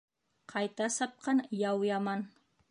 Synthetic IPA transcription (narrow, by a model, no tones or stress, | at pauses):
qʰɑjt̪asɑp̚qɑnjawjaman